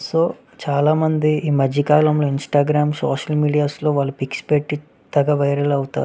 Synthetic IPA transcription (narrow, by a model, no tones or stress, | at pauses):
so̞ː | t͡ʃaːlaːmɐnd̪iiːmɐd͡ʒikaːlɐmlo̞ːinsʈaːɡɾaːmso̰ːʂɐlmiːɖijaːslo̞ːʋaːlːupikspe̞ʈːi | t̪ɐɡɐʋɐjɾɐlɐwut̪a̰ːɾu